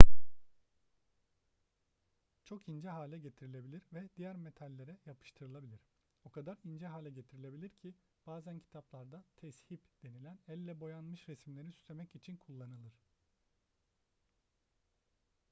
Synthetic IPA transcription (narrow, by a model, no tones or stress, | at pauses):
t͡ʃʰo̞kind͡ʒɛɦaːlʲɛɟe̞t̪ʰiɾilʲe̞bilʲiɾvɛd̪ijæɾme̞t̪ʰalʲːe̞ɾɛjapʰɯ̥ʃt̪ʰɯɾɯlˠabilʲiɾ̥ | okʰad̪aɾind͡ʒɛɦaːlʲɛɟe̞t̪ʰiɾilʲebilʲiɾcʰi | b̥aːzæncʰi̥t̪ʰaplˠaɾd̪at̪ʰɛshipd̪̥e̞nilʲænælʲːɛbo̞janmɯʃɾesmlʲeɾisy̥st̪ʰe̞mɛcit͡ʃʰinkʰulˠːanɯlˠɯɾ̥